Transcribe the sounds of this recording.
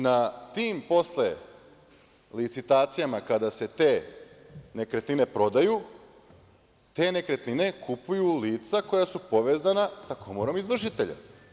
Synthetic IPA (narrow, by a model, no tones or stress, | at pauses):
nat̪iːmpo̞sle̞ | lit̪sit̪aːt̪sijamakad̪ase̞t̪e̞ː | ne̞kɾe̞t̪nine̞pɾo̞d̪aju | t̪e̞ːne̞kɾe̞t̪nine̞kʰupujuliːt̪sako̞jasupo̞ʋe̞ːzanasakʰo̞moɾo̞mizʋr̩ʃ̬it̪e̞ʎa̰